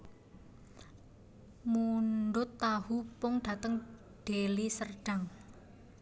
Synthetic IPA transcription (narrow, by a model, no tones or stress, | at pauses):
munɖʊt̪ːahupʊŋɖ̥a̤t̪əŋ | ɖ̥elisərɖ̥a̤ŋ